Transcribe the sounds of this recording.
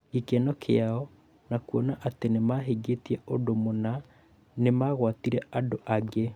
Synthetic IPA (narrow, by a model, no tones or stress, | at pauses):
ikɛnɔkʰeaɔ | nakuɔnaʔatenemaɦeɡetiɛodomona | nemaɣwatiɾɛadoʔaɡe